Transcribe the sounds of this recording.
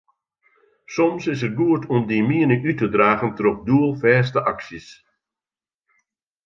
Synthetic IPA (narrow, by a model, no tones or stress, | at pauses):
sɔmsɪs̬ər̚ɡuətʰɔmdimiənəʔytədraːɣəntərɔp̚duəlˠfɛːstəʔaksis